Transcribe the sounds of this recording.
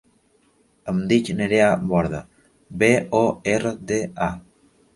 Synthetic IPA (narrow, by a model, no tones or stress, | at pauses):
əmd̪it͡ʃneɾeaβɔɾða | beɔerəd̪ea